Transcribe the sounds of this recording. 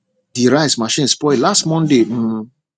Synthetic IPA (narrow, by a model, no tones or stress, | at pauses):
diɾaɪsmaʃĩnspɔɪlastmɔ̃ndem̩